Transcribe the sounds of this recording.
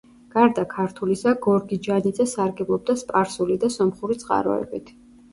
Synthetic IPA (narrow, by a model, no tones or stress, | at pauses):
ɡ̥aɾd̪akʰaɾt̪ʰulisaɡɔɾɡid͡ʒanid̪zɛsaɾɡɛblˠɔb̚d̪aspʼaɾsulid̪asɔmχuɾit̪sʼqʼa̰ɾɔ̰ɛ̰bit̪ʰ